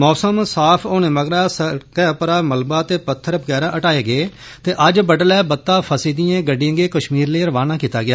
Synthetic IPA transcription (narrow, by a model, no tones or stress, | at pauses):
mɔːsəmsaːpʰoːnẽːməɡɾaːsəkɛːpəɾaːməlbaːt̪eːpət̪ʰːəɾbəɡɛːɾaːʔəʈaːeːɡɪeː | t̪eːʔəd͡ʒbəɖəlɛːbət̪ːaːpʰəsiːd̪ɪjãːɡəɖiə̃ːɡeːkəʃmiːɾleːɾəʋaːnaːkiːt̪aːɡɪjaː